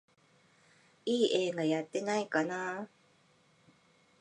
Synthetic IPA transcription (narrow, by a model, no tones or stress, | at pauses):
ʔieŋajat̪enajkana